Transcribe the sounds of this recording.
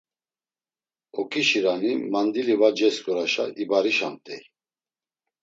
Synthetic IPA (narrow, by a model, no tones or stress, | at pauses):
ɔkʰiʃiɾanimand̪ilivad͡ʒɛskʼɔɾaʃaibaɾiʃamt̪ʼɛ